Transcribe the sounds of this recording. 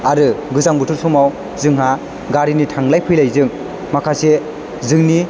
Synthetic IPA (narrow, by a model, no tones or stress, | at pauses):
aɾɯɡɯzaŋbɯtʰuɾsʰumaw | zɯŋɦa | ɡaɾinitʰaŋlajpʰɯjlajzɯŋ | makʰase | zɯŋni